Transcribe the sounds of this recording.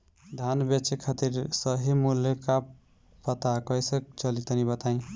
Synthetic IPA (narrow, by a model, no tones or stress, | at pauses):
d̪ʱanbet͡ʃekʰat̪iɾsʌɦimuljka | pʌt̪akʌjsekt͡ʃʌlit̪ʌnibʌt̪aĩ